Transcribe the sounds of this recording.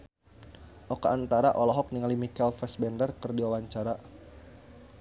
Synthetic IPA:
ʔɔkaːnt̪aɾaʔɔlɔɦɔk̚niŋalimikɛlfɛsbɛndərkɨrdiwawaɲt͡ʃaɾa

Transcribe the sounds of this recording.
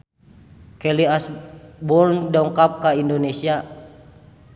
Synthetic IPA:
kɛliasbɔrndɔŋkap̚kaindonesia

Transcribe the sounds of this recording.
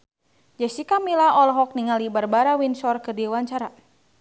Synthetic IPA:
d͡ʒɛsikamilaɔlɔɦɔk̚niŋalibarbaɾawinsɔrkɨrdiwaɲt͡ʃaɾa

